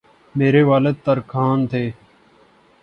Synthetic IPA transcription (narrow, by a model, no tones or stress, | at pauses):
meːɾeːʋaːləd̪̚t̪əɾkʰaːnt̪ʰeː